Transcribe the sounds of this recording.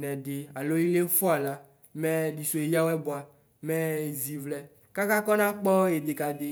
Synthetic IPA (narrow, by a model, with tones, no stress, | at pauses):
nɛ̃˨de˨a˨lo˦i˦le˦fɔ˦a˨la˦ | mɛ̃˦ɖi˨so˨e˨ja˦wɛ˦bo˨a˨ | mɛ˦e˨zi˨vlɛ˦ | ka˦ka˦kɔ˦nã˦k͡pɔ˦e˨d̪e˨ka˨d̪e˨